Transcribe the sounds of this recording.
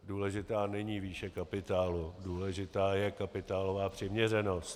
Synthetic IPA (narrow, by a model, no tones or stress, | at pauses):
duːlɛʒɪt̪aːnɛɲiːviːʃɛkapɪt̪aːluduːlɛʒɪt̪aːjɛkapɪt̪aːlovaːpr̝̥ɪmɲɛrɛno̞st̪